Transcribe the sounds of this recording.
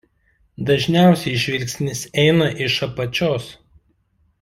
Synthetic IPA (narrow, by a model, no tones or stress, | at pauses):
d̪ɐʒʲnʲæˑʊsʲɛɪʃʲʋʲɪlʲksʲnʲɪsɛɪnɐʔɪʃɐpɐt͡ʃʲoːs